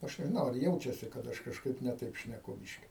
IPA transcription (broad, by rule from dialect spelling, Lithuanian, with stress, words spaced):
ˈɐʃ nʲɛʒʲɪˈnɐʊ ɐr ˈjɛʊt͡ʃʲɛsʲɪ kɐt ˈɐʃ kɐʃˈkɐɪp nʲɛ ˈtɐɪp ʃʲnʲɛˈkʊ ˈbʲɪʃʲkʲɪ